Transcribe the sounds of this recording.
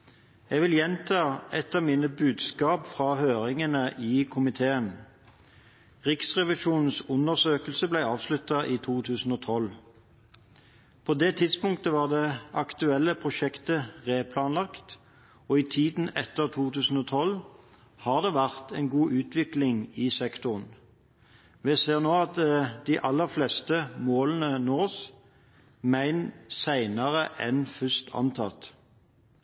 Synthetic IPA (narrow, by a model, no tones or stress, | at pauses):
jɛʋɪljɛnt̪ʰɑːɛt̪ɑːʋmiːnəbʉːd̪skɑːpfʁɑhøːʁɪŋənəʔiːkʰʊmɪt̪ʰeːən | ʁɪksʁɛʋɪʃuːnn̩sʊnəʁsøːkəl̩səblæɪɑːʋslʉt̪ɑʔiːt̪ʰuːt̪ʰʉːsn̩oːt̪ʰɔl | pʰoːd̪ɛːt̪ʰɪd̪spʊŋkt̪əʋɑːʁd̪ɛʔɑkt̪ʉɛlːəpʰʁʊʃɛkt̪əʁeːpʰlɑːnlɑkt̪ | ɔːiːt̪ʰiːd̪n̩ɛt̪ːəʁt̪ʰuːt̪ʉːsn̩oːt̪ʰɔl | hɑːʁd̪eːʋæʁt̪æɪnɡuːʔʉːt̪ʋɪklɪŋiːsɛkt̪ʊʁn | ʋɛseːʁnoːɑt̪d̪̥iʔɑlːəʁflest̪əmoːlən̩ənoːs | mæɪnsæɪnəʁəʔɛnfʏst̪ʰɑ̰nt̪ʰɑ̰t̪